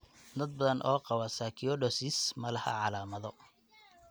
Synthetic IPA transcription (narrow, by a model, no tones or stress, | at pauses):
d̪ɐd̪̚bɐðɐnʔɔːqɑwɐsakʰijɔɖɔsismɐlɐhɐ̰ʕɑlaːmɐðɔ